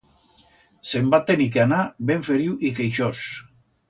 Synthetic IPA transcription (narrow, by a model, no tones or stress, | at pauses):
se̞mbat̪enikeanabeɱfeɾiuʔikejʃos